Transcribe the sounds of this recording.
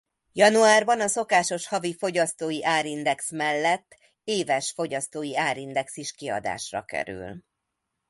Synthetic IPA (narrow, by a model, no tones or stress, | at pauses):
jɒnuaːrbɒnɒso̞kaːʃo̞ʃhɒvifo̞ɟɒst̪oːjiʔaːɾind̪ɛksmɛlːɛt̪ː | eːvɛʃfo̞ɟɒst̪oːjiaːɾind̪ɛksiʃkiɒ̰d̪a̰ːʃrɒ̰kɛ̰ɾy̰l